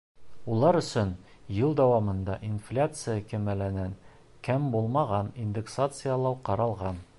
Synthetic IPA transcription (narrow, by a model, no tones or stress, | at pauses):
ulˠɑɾɵ̆sɵnjɤlˠd̪æwɑmɤ̆nd̪ɑʔinflʲat̪sɨjakɘ̆mælænæn | kæmbulˠmɑʁɑnind̪eksat̪sɨjalˠɑwqɒɾɑlˠʁɑn